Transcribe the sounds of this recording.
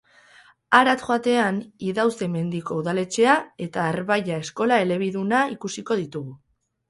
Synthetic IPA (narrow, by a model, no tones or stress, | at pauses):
aɾat̪ʝoat̪e̞aniðawse̞me̞nd̪iko̞uðale̞t͡ʃe̞ae̞t̪aːɾβajae̞sko̞lae̞le̞β̞iðunaikusiko̞ð̞it̪uɣu